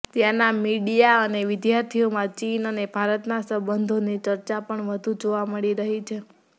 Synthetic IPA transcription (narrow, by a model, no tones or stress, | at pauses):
t̪janamiɖijaəneʋɪd̪jaɾt̪ʰiomãt͡ʃinənebʱaɾət̪nasəbənd̪ʱonit͡ʃəɾt͡ʃapəɳʋəd̪ʱud͡ʒoʋaməɭiɾəɦit͡ʃʰe